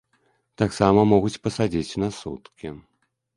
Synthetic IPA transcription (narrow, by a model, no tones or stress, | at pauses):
t̪aksamɐmɔɣut͡sʲpɐsad͡zʲit͡sʲnɐsṵt̪kʲi